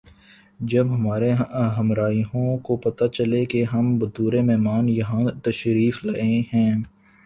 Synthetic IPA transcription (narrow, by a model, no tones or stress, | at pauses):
d͡ʒɐbɦɐmaːɾeɦɐmɾaːiõkopɐt̪at͡ʃɐlekeɦɐmbɐt̪uːɾemɛɦmaːnjɐɦãt̪ɐʃɾiːflaːeɦɛ̃ː